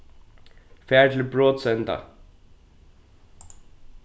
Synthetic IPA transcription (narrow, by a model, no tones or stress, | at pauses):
fæːʈʰl̩ɪbɹoːt̪sɛnt̪a̰